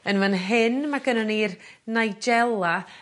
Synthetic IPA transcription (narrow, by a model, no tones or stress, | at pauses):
ənmanɦɪnmaɡənɔniːrnajd͡ʒɛlˠa